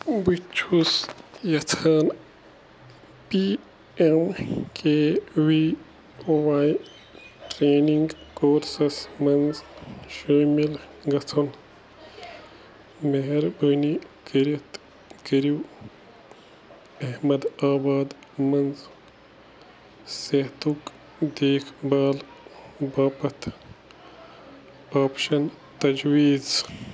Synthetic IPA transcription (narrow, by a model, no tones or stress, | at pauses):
but͡ʃʰusjɐt̪ʰaːn | piː | emkeːwi | owaːj | ʈɾeːniŋɡkoːɾsɐsmɐnzʃoːmilɡɐt͡s̪ʰun | meɦɾbəːnikiɾit̪ | kɐɾiw | ɐɦmɐd̪aːbaːd̪mɐnz | seht̪uk | d̪eːkʰbaːlbaːpɐt̪ʰ | aːpʃɐn | t̪ɐd͡ʒwiːz